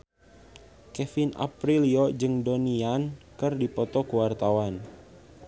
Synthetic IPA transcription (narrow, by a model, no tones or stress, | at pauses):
kɛfina̰pɾiliɔd͡ʒɨŋdoniankərdipɔt̪ɔkəwart̪awan